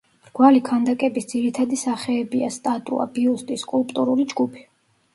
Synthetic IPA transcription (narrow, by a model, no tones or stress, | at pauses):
ɾɡ̥walikʰand̪akʼɛbisd̪z̥iɾit̪ʰad̪isaχɛːbia̰st̪ʼat̪ʼṵa̰biust̪ʼiskʼulˠpʼt̪ʼuɾulid͡ʒɡupʰi̥